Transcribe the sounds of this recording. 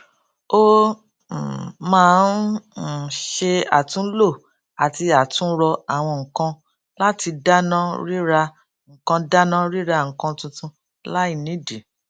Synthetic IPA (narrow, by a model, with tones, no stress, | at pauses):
o˦˨ | mãː˦˧˦n˨ | ʃe˧a̰˨tũ˨˦lo˦˨ | a˨ti˧a˨tũ˦ɾɔ˧a˨w̃ɔ̃˧ŋ̩˨kã˧ | la˦ti˧da˦nã˦ɾi˦ɾa˧ | ŋ̩˨kã˧da˦nã˦ɾi˦ɾa˧˦ŋ̩˨kã˧tũ˧tũ˧ | la˦i˦˧˨nĩ˨˦di˨